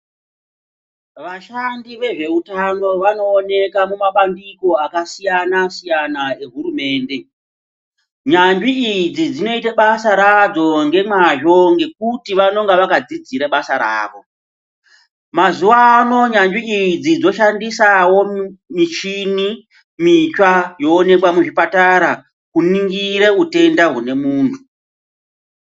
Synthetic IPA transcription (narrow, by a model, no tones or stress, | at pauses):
ʋaʃandiʋe̞ʐe̞utano̞ʋano̞ːne̞kamumaɓandiko̞akasijanasijanae̞ɦuɾume̞ːnde̞ | ɲaniːd͡zid͡zino̞itaɓasaɾad͡zo̞ŋɡe̞maʒo̞ŋɡe̞k̚utiʋano̞ŋɡaʋakad͡zid͡ziɾaɓasaɾa̰ːʋo̞ | mazuwano̞ɲaɲd͡ʒiid͡zid͡zo̞ʃandisawo̞mit͡ʃini | mit͡ʃwajo̞ːne̞kwamuʐipataɾa | kuniŋɡiɾe̞ute̞ndaɦune̞muːntʰu